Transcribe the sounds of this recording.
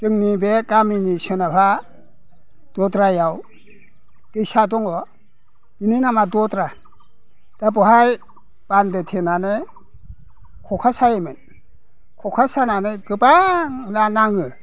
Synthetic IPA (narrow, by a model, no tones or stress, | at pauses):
tɯŋnibekaminisɯnapʰa | d̥ɔtɾajaw | d̥ɯjsadɔŋɔ | mininamadɔtɾa | d̥abɔɦaj | b̥andɯtʰenane | kʰɔkʰasajemɯn | kʰɔkʰasananeɡɯbaŋnanaŋɯ